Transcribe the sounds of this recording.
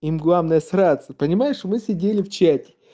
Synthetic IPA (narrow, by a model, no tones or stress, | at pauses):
imɡlˠavnəjəsɾat̪səpənʲɪmajɪʂmɨsʲɪdʲelʲɪft͡ɕætʲɪ̥